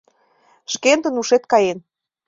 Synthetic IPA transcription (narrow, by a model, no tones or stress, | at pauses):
ʃkent̪ə̆nuʃet̪̚kɑjen